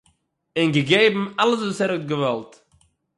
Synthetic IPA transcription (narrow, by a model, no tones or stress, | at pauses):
ɪnɡəɡeɪbm̩aləs̬ɔsɛɾət̚ɡəvɛlˠt